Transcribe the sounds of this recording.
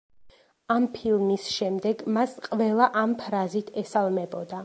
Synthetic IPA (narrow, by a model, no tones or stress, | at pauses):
ampʰilˠmisʃɛmd̪ɛɡmasqʼvɛlˠaʔampʰɾazit̪ʰɛsalˠmɛbɔd̪a